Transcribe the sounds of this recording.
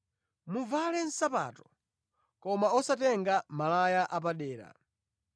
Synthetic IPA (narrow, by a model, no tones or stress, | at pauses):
muvalɛn̩sapa̰ːtɔ̥ | kɔmaɔsatɛŋɡamalajaʔap̬aɗɛːɾa̰